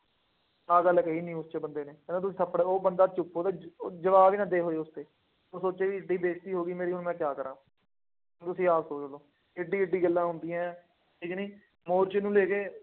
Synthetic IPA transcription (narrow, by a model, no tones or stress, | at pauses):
aːɡəlːkəiːnĩːʊst͡ʃebənd̪eːneːɛnẽːt̪̬ʊsĩːsəpːɽeːoːbənd̪aːt͡ʃʊpːoːd̪aːd͡ʒəʋaːʋiːnãːd̪eːɦoːeːʊst̪eː | oːsoːt͡ʃeːʋiːɪɖiːd̪eːk̚t̪iːɦoːɡiːmeːɾiːɦʊnmɛ̃ːkjaːkəɾãː | t̪ʊsĩːaːsoːt͡ʃoloː | ɪɖiːɪɖːiːɡəlːãːɦʊnd̪iːɛ̃ː | ʈʰiːkniː | moːɾt͡ʃenũːleːkeː